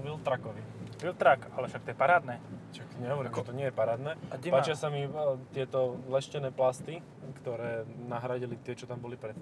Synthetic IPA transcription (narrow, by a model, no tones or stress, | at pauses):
ʋilt̪ɾakɔʋiʋilt̪ɾakalɛfʃakt̪ɔjɛpaɾaːd̪nɛːakɲɛɦɔʋɔɾimɛt̪ɔɲɪɛjɛpaɾaːd̪nɛːpaːt͡ʃɪasamit̪ɪɛt̪ɔlɛʃcɛnɛːplast̪i | kt̪ɔɾɛːnaɦɾaɟilit̪ɪɛt͡ʃɔt̪ambɔlipɾɛt̪